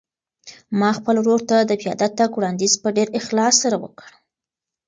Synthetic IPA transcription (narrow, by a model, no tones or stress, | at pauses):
mɑxpəlɾoɽt̪ad̪əpijɑ̰d̪at̪akwɽɑnd̪izpəɖeɾɪxlɑsːaɾawə̰kəɽ